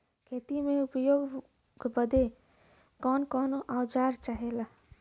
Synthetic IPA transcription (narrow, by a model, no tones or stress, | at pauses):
kʰeːt̪imẽʊpəjoːɡ | ɡbəd̪e | kɔːnkɔːnʔaʊd͡ʒaːɾt͡ʃaːɦela